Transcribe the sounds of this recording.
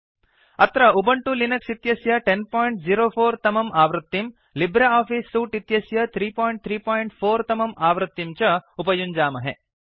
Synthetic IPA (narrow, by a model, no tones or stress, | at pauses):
ɐt̪ɾɐubɐɳʈulinɐksit̪jɐsjɐʈenpaːjɳʈ̚d͡ʒiɾoːpʰoːɾt̪ɐmɐmaːʋɾɨt̪ːim | libɾeaːpʰiːsːuːʈit̪jɐsjɐt̪ʰɾiːpaːjɳʈ̚t̪ʰɾiːpaːjɳʈpʰoːɾt̪ɐmɐmʔaːʋɾɨt̪ːimt͡ʃɐupɐjuɲd͡ʒaːmɐɦḛ